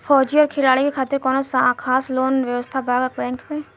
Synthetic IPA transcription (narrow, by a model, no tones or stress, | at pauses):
fʰɔːd͡ʒiɔːɾkʰɪlaːɭikekʰaːt̪ɪɾkɔːnosaːkʰaːsloːnʋjəʋəst̪ʰabʱaːɡəkbɛ̃ːŋkpẽː